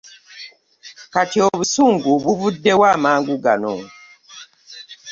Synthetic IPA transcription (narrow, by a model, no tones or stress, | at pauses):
katiɔbusuŋɡubuvudɛwamaŋɡuɡa̰nɔ̰ŋ